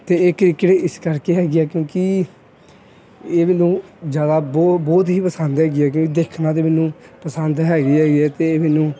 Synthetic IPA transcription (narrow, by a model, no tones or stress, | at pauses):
t̪eːeːkɾɪkːʈeɪskəɾkeːɦɛːɡɪɛːkjõːki | eːmɪnũːd͡ʒjaːd̪aːbɔbɔːt̪ɦiːpəsənd̪ɦɛːɡɪɛːk̬jõːkid̪eːkʰnãːt̪̬eːmɪnũːpəsənd̪ɦɛːɡiːɛːɡɪɛːt̪eːeːmɪnũː